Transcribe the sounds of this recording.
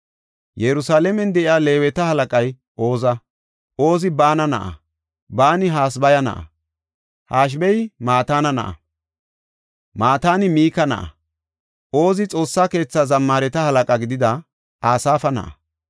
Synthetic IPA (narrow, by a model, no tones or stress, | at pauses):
jɛɾʊsaːlɛmɛnd̪ɛʔɪaːle̞ːwɛt̪ɐhɐlɐkʼɐj | ʔo̞ːzɐ | o̞ːzɪbaːnɐnɐ̰ʔɐ̰ | baːnɪɦaːsbɐjɐnɐ̰ʔɐ̰ | haːʃ̬bɛjmaːt̪aːnɐnɐ̰ʔɐ̰ | maːt̪aːnɪmiːkɐnɐ̰ʔɐ̰ | ʔo̞ːzɪt͡sʼo̞ːsːaːke̞ːt͡sːɐzɐmːaːɾɛt̪ɐhɐlɐkʼɐɡɪd̪ɪd̪ɐ | aːsaːfɐnɐ̰ʔɐ̰